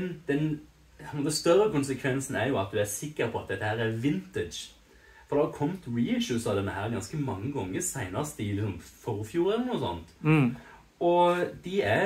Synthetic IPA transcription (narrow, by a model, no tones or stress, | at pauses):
nd̪̥ɛn | moːt̪əst̪œɾːəkʊnsəkʰʋɛnsn̩æɾjʊɑt̪̚d̪ʉæɾsɪkːəɾpʰɔɑt̪̚d̪ɛt̪ːəhæːɾæɾʋɪnt̪ɪdd͡ʒ | fɔɾd̪ɑːkʰɔmt̪ɹiɪʃʉsɑʋd̪ɛnːəhæːɾɡɑnskəmɑŋːəɡɔŋːəsæɪnɑst̪əɪlɪksɔmfɔɾfjuːɾɛlːənuːsɔ̰nt̪ | ɔd̪ɪæ